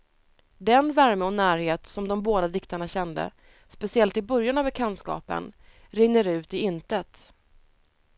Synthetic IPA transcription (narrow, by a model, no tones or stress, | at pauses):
d̪ɛnvæɾməɔnæːɾheːt̪sɔmd̪ɔmboːd̪ad̪ɪkt̪aɳaɕɛnd̪ə̰ | spɛsɪɛlt̪ɪbœɾjanavbɛkʰɛnd̪skɑ̰ːpə̰n | ɾɪŋːəɾʉ̟ːt̪ɪɪnt̪ət̪